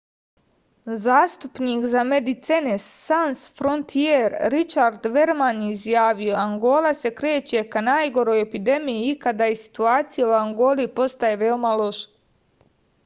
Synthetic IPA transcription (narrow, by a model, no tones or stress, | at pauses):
zaːst̪upniːkzamed̪it̪senesːansfɾo̞nt̪ʰieɾɾit͡ʃaɾd̪ʋe̞ɾmanizjaːʋijo̞aŋɡo̞ːlase̞kɾeːt͡ɕe̞kanaːjɡo̞ɾo̞jepid̪e̞mijiikad̪aːjesi̥t̪uaːt̪sijeuaŋɡo̞ːlipo̞st̪ajeʋeomalo̞ʃḁ